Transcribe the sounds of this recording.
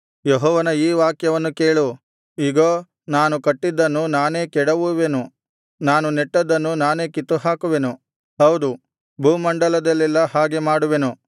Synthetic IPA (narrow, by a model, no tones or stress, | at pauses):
jɔɦɔːʋɐnɐiːʋaːkjɐʋɐnːukeːɭu | iɡoː | naːnukɐʈːid̪ːɐnːunaːne̞ːkɛɽɐʋuʋe̞nu | naːnuneʈːɐd̪ːɐnːunaːne̞ːkit̪ːuɦaːkuʋe̞nu | ɦɐwd̪u | bʱuːmɐɳɖɐlɐd̪ɐlːilːɐhaːɡe̞maːɽuʋe̞nu